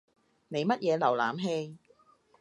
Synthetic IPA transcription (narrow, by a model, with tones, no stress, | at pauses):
ne˨˧jmɐ˥t̚jɛː˨˧lɐ˨˩wlaː˨mɦe˧j